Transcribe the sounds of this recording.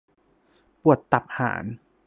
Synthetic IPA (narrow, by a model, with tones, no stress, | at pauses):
pu˨˩ət̪ːa˨˩p̚ha̰ː˩˦n